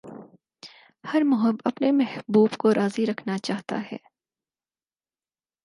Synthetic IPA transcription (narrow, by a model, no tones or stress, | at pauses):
hɐɾmʊɦəbɐpnemɛhbuːbkoɾʔaːziɾɐkʰnat͡ʃaːɦt̪a̰ɦɛ̰ː